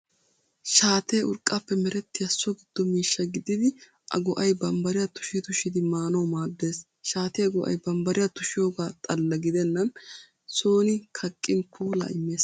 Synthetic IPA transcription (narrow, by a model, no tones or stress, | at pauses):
ʃaːt̪eːʊɾkʼːapːɛmɛɾɛt̪ːɪjɐsɔɡɪd̪̥ːɔmiːʃːɐɡɪd̪ɪd̪ɪ | ʔɐ̰ɡɔʔɐjbɐmbɐɾɪjɐt̪ʊ̥ʃit̪ʊʃɪd̪ɪmaːnɐwmaːd̪ːe̞ːs | ʃaːt̪ɛjɐɡɔʔɐ̰jbɐmbɐɾɪjɐt̪ʊʃɪjo̞ːɡaːt̪ʼɐlːɐɡɪd̪ɛnːɐn | so̞ːnɪkʰɐkʼːɪnpʰuːla̰ːɪmːe̞ːs